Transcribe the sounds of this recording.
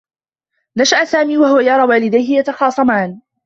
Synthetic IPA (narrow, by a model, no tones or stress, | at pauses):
naʃaʔsaːmiːwaɦʊwajɑɾˤɑːwaːlɪd̪ajhɪjat̪ɑxɑːsˤɑmaːn